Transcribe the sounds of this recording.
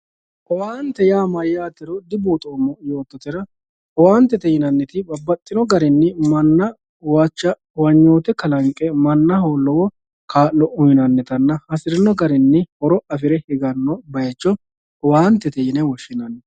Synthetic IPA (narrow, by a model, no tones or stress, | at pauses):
ʔɔwaːnt̪ɛjaːmɐjːaːt̪ːɪɾɔd̪ɪbuːt̪ʼoːmːɔjo̞ːt̪ːɔt̪ɪɾɐ | ɔwaːnt̪ɛt̪ɛjɪnɐnːɛt̪ɪbɐbːɐt̪ʼːɪnɔɡɐɾɪnːɪmɐnːɐ | wat͡ʃːɐ | wɐɲːo̞ːt̪ɛkɐlɐŋkʼɛmɐnːɐɦoːlːɔwɔ | kaːlːɔʊjɪnɐnːɛt̪ɐnːɐhɐsɪɾɪnɔɡɐɾɪnːɪhɔɾɔɐfɪɾɛhɪɡɐnːɔbɐjɛt͡ʃːɔ | ɔwaːnt̪ːɛt̪ɛjɪnɛwɔʃːɪnɐnːɛ